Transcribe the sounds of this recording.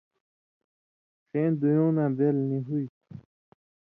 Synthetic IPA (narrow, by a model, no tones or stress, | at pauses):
xeːnd̪ujõːnãːbelniɦuj